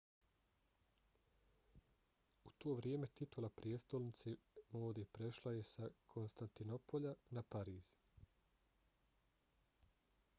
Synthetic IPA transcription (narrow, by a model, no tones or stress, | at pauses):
ut̪o̞ːʋɾje̞me̞t̪it̪ulˠapɾijest̪olnit̪semoːd̪epɾe̞ʃlˠaje̞sakʰo̞nst̪ant̪ino̞poʎanapaɾiːz